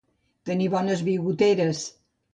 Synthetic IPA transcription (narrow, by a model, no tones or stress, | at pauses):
t̪əniβɔnəzβiɣut̪eɾəs